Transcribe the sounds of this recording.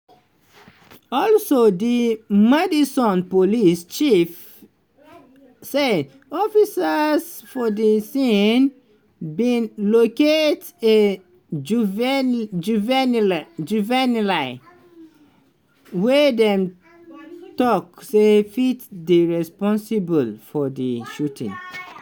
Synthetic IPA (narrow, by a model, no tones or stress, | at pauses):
ɔlsodimɛdisɔ̃npolist͡ʃif | se | ɔfisas | fɔdisĩn | bĩnloket | e | d͡ʒvd͡ʒuvɛnd͡ʒuvɛnlaɪ | wɛdɛ̃m | tɔksefitdiɹɛspɔ̃nsibəlfɔdiʃutḭ̃ŋ